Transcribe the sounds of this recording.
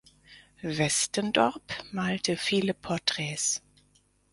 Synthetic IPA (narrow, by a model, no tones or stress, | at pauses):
vɛstəndɔʁpmaːltʰəfiːləpʰɔɐtʁ̥ɛːs